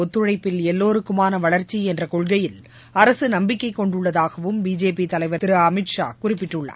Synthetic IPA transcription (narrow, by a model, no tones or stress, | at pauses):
ɔt̪ːɯɻɐɪpːɪlɛlːoːɾɯkːɯmaːnɐʋɐɭɐɾt͡ʃːiɛndrɐkɔɭɣɐjɪl | ɐɾɐsɯnɐmbɪkːɐɪkːɔɳɖɯɭːɐðaːɣɐʋɯmbiːd͡ʒeːpit̪ɐlɐɪʋɐɪɾɐɐmɪʈʂa̰ːkʊrɪpːɪʈːɯɭːa̰ː